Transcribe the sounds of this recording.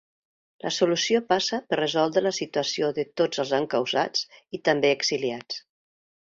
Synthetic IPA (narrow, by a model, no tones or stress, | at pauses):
lʔəsulusiopasəpərrəzɔlˠd̪ɾələsit̪uəsioðət̪od͡zəlˠzaŋkəwza̰t͡sit̪əmbeəɡz̥iliat͡s